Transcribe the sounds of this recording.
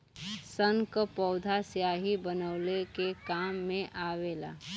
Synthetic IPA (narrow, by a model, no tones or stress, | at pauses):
səŋkpɔːʊd̪ʱasjaːɦibənəʊlekekaːmːẽʔaːʋeːla̰ː